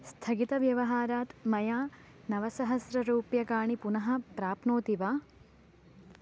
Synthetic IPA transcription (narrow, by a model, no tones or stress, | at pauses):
st̪ʰɐɡit̪ɐʋjɐʋɐɦaːɾaːt̪mɐjaː | nɐʋɐsɐɦɐsɾɐɾuːpjɐkaːɳipunɐɦɐ̆pɾaːpnoːt̪iʋaː